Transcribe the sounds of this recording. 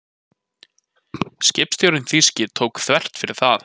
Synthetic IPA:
scɪpst̪jowɾɪnθiscɪt̪ʰoːwkθvɛr̥t̪fɪɾɪɾ̥θað

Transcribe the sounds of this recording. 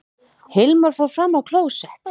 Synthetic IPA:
hɪlmaɾ̥fawɾ̥fɾamːawkʰloːwsɛh

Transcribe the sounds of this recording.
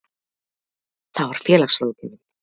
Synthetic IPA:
θawvaɾ̥fjɛːlaxsloːwc̪ɪnɪm

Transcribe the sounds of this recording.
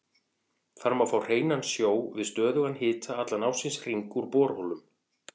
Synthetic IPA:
θaɾmawfawr̥eːjnansjoːwvɪðst̪œːðʏɣanːɦɪːt̪ʰaat̪lanawsɪnsr̥iŋkuɾpɔːɾhowlʏm

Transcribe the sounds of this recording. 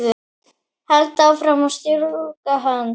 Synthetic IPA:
ðʏ | hɛlt̪awfɾamawst̪ɔɾukaɦan

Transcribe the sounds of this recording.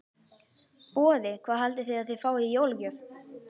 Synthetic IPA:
pɔːðɪkʰvaːðhalt̪ɪθɪðaðθɪ̥faːwijowlcœɾ

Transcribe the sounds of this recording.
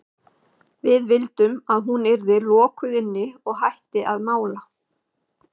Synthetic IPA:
vɪðvɪlt̪ʏmaðɦunɪɾðɪlɔːkʏðɪnːɪɔɣɦajht̪ɪʔaðmaːwla

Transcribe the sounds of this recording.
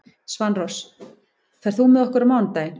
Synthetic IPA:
svanrɔs | kʰvɛɾθumɛðɔhkʏɾamaːwnt̪aːjɪn

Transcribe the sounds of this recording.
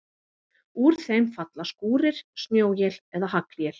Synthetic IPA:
uɾ̥θejmfat̪laskuːɾɪɾ̥snjoːwjɛlɛðahakljɛl

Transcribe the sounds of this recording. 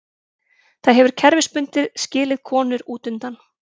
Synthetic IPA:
θaðɦɛvʏɾ̥cʰɛɾvɪspʏnt̪ɪðscɪːlɪðkʰɔːnʏɾuːt̪ʏnt̪an

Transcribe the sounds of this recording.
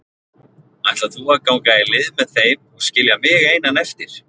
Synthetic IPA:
ajst̪aθuaɾkawŋkaɪlɪðmɛðθejmɔɣscɪljamɪːɣejnanɛft̪ɪɾ̥

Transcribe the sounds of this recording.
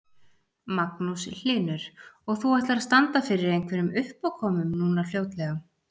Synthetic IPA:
maknusɪl̥ɪːnʏɾ̥ɔɣθuɛht̪laɾst̪ant̪afɪɾɪɾejŋkʰvɛɾʏmʏhpawkʰɔːmʏmnuːnal̥joːwt̪lɛɣa

